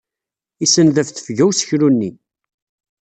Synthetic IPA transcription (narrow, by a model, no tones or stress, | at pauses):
isənðəfθə̥fʝæwsə̥çɾunːi